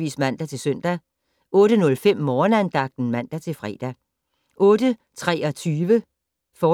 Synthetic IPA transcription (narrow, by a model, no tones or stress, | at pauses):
ḭːsmæn̰d̥æt͡sʰe̝lsœn̰d̥æ | ɔ̽ːɾ̥ənɔ̽lfem̰mɒːnænd̥ɑ̈ɡ̥̚d̥n̩mæn̰d̥æt͡sʰe̝lfʁɛ̰ːd̥æ | ʔɔ̽ːd̥ət͡sʰʁɛ̰ːɒ̽t͡sʰyːʋə | fɒː